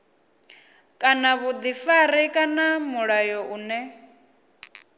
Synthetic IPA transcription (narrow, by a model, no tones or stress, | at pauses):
kʼanaβud̪ifaɾikʼanamuɺajɔʔuːnɛ